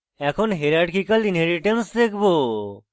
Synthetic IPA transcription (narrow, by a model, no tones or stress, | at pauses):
ɛkʰɔnɦeɾaɖkʰikald̪ineɾiʈemsd̪ekʰbo